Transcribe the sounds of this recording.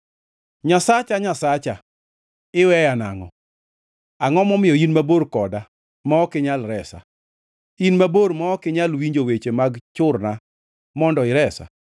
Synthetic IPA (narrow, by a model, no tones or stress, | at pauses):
ɲasat͡ʃaɲasat͡ʃa | ɪwɛjana̰ŋɔ̰ | aŋɔmɔmɪjɔinmaboɾkɔda | mɔɔkɪɲalɾɛsa̰ | inmaboɾmɔːkɪɲalwiɲd͡ʒowet͡ʃemaɡt͡ʃʊrna | mɔndɔɪɾɛsa̰